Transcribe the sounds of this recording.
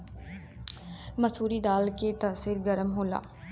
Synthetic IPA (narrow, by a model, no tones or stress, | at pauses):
məsuːɾiːd̪aːlkeːt̪əsiːɾɡəɾəmɦoːla̰ː